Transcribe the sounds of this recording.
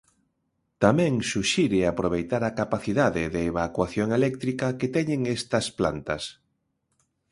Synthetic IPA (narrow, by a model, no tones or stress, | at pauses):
t̪amɛ̃ŋsuʃiɾɪapɾoβ̞ejt̪aɾakapaθiðaðɪðeːβakwaθjoŋelɛk̚t̪ɾikɐket̪ɛɲeŋest̪ɐsplant̪ɐs